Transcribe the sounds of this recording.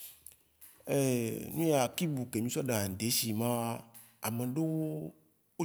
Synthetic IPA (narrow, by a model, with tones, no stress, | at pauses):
e˦nũ˦ja˨ki˦bu˨ke˨mĩ˦sɔ˦ɖa˨n˨d̪e˨˦si˨mã˦ | a˨mẽ˨ɖo˦wo˦ | wo˦